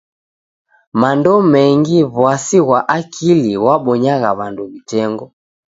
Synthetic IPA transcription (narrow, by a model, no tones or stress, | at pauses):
mandɔmɛŋɡiβwasiɣwaʔakʰiliwaɓɔɲaɣaβanduβitɛŋɡɔ